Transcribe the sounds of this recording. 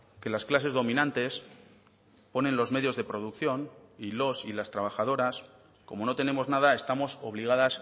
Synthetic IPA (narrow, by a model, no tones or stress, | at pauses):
ke̞lasklase̞zðo̞mĩnãnt̪e̞s | po̞nẽ̞nlo̞zme̞ðjo̞zðepɾo̞ð̞ukθjo̞nilo̞silast̪ɾaβ̞axað̞o̞ɾas | ko̞mo̞no̞t̪e̞ne̞mo̞znað̞ae̞st̪amo̞so̞βliɣ̞að̞as